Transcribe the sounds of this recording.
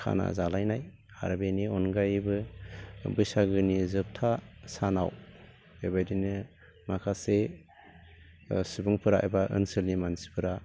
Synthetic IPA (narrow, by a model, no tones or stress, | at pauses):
kʰa̰na̰zalajnaj | a̰ɾbeniɔnɡajbɯ | bɯjsaɡɯnizɯp̚tʰasanaw | ejbajdinɯ | makʰase | sibuŋpʰɯɾaa̰jbaʔɯ̰nsɯlnimansi̥pʰɯɾa